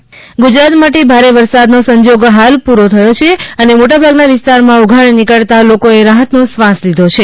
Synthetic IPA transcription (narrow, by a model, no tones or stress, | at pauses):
ɡud͡ʒɾat̪maʈebʱaɾeʋəɾsad̪nosəɲd͡ʒoɡɦalpuɾot̪ʰəjot͡ʃʰeənemoʈabʱaɡnaʋɪst̪aɾmãuɡʱaɳnikəɭt̪alokoeɾaɦət̪nosʋãslid̪ʱot͡ʃʰe